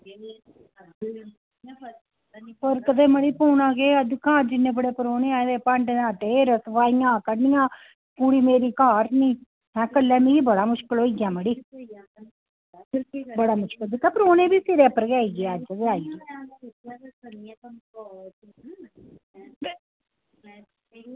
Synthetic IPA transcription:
pəɾkət̪eːməɽiːpoːnãːkeːəd̪ɪkãːd͡ʒɪnːẽːbəɽeːpəɾoːnẽːaːd̪eːpəɳɖãːt̪eɾəsʋaːɪjãːkəɽnɪjãː | kuːɽiːmeːɾiːkaːɾnĩː | hɛ̃ːkəlːɛːmiɡibəɽaːmʊʃkɪloːiɡjãːməɽiː | bəɽaːmʊʃkɪld̪ɪkːãːpɾoːnẽːbiːsiːɾeːpəɾɡaːiɡɪaːd͡ʒəd̪eaːijãː

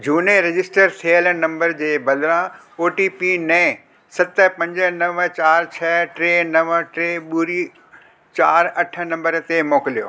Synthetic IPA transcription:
d͡ʑʱuːneɾɪd͡ʑɪsʈəɾsʰeːəlnɐ̃mbəɾd͡ʑeːbɐd̪ɾã | oːʈipinɛ̃ | sɐt̪ə̆pɐ̃ɲd͡ʑə̆nɐʋt͡ɕaːɾt͡ɕʰɐʈɾeːnɐʋʈɾeɓuɾi | t͡ɕaːɾɐʈʰə̆nɐ̃mbəɾt̪emoːkɪlijo̰ː

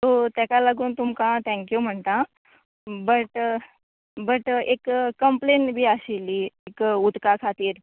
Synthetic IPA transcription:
t̪oːt̪ɛkaləɡunt̪umkãt̪ʰɛ̃ŋkjum̤əɳt̪a | bəʈ | bɐʈeːkːɐmpleːnbʱiasilieːkʊt̪kakʰaːt̪iːɾ

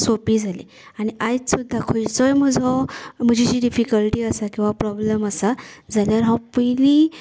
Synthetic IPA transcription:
sopiːd͡zʱalḭ | aɽ̃iʔajt͡ssud̪ʱːakʰojt͡sɔjm̤əd͡zʱom̤əd͡ʑid͡ʑiːɖifikəlʈiːəsakĩw̃ʋapɾɔbləməsad͡zʱaljaɾɦãpəjli

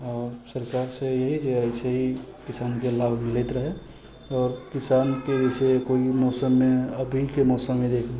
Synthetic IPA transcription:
ɔːɾsəɾkaɾsejəɦid͡ʒeəjseɦikisankelabʱmilɛt̪ɾəɦe | ɔːɾkisankeəsekoimɔːsəmːeəbʱikemɔːsəmːed̪ekʰle

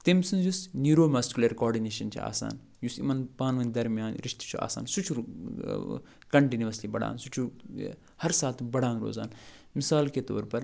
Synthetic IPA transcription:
t̪imsunzusnuːɾoːmɐːskʲulɐɾkɔːɾɖineːʃɐnt͡ʃʰḭa̰ːsa̰ːn | jusḭmɐnpaːnʋɐnd̪ɐɾmijaːnɾiʃt̪i̥t͡ʃʰua̰ːsa̰ːnsut͡ʃʰuɾ | kɐɳʈiːniʋɐslibɐɽa̰ːnsut͡ʃʰu | hɐɾsaːt̪ʰbɐɽãːnɾo̰ːzaːn | misaːlket̪o̰ːɾpɐɾ

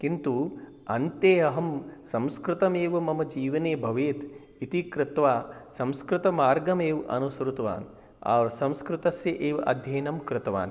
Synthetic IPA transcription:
kint̪u | ɐnt̪eːɐɦɐmsɐ̃mskɾɪt̪ɐmeːʋɐmɐmɐd͡ʒiːʋɐneːbʱɐʋeːt̪ | it̪ikɾɪt̪ʋaːsɐmskɾɪt̪ɐmaːɾɡɐmeːʋʔɐ̰nusɐɾut̪ɐʋa̰ːn | a̰ːʋɐɾsɐ̃mskɾɪt̪ɐsjɐʔeːʋʔɐ̰d̪ʱjeːnɐmkɾɪt̪ɐʋa̰ːn

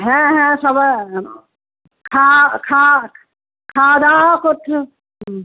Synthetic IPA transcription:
ɦɛ̃ɦɛ̃ːsɐb | kʰaːkʰaː | kʰaːd̪aːkʊt̪ʰ

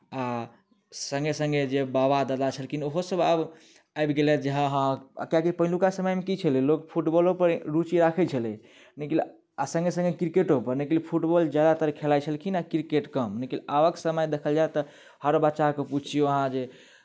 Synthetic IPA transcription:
a | sə̃ŋɡesə̃ŋɡed͡ʒebabad̪əd̪at͡ʃʰəlkinoɦosəbəb | ajbɡelɛd͡ʒəɦãɦã̰kjakipəɦlukasəməjmekit͡ʃʰəlilokpʰuʈbɔlopəɾɾut͡ʃiɾakʰət͡ʃʰəlɛ | nəkil | asə̃ŋɡesə̃ŋɡekɾkeʈopəɾnəkilpʰuʈbɔld͡ʒjad̪at̪əɾkʰelajt͡ʃʰəlkinakiɾikeʈkəmnəkilaʋəksəməjd̪ekʰəld͡ʒajt̪ɔ | həɾbətːʃakeput͡ʃʰijoəɦãd͡ʒe

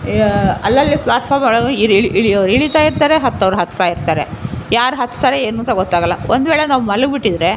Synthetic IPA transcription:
ɐlːɐlːipʰɭaːʈfʰaːɾmɐɭɡiɾɭiʔiɭijɐʋɾiɭit̪aːjiɾt̪aːɾeɦɐt̪ːɐʋɾuɦɐt̪ːt̪aːjiɾt̪aːɾejaːɾuɦɐt̪ːt̪aːɾeeːnuːnt̪ɐɡɔt̪ːaːɡɐlːɐʔond̪ʋɛːɭenaːʋumɐlɐɡbiʈːid̪ɾe

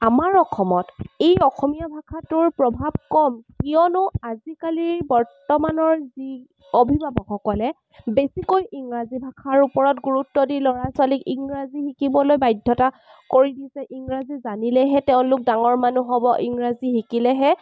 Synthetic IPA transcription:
amaɹɔxʰɔmɔtejɔxɔmijabʱakʰatʊɹpɹɔbʱab̚kɔmkijɔnʊazikaliɹbɔɹtɔmanɔɹzi | obʱibabɔkʰɔkɔlɛ | besikojiŋɹazibʱakʰaɹupɔɹɔtɡuɹutːɔdilɔɹaswalikiŋɹazixikibɔlojbajdʱːɔta | koɹidisɛʔiŋɹazizanilɛɦɛtɛʊ̃lʊk̚daŋɔɹmanuɦɔbɔʔiŋɹazixikilɛɦɛ

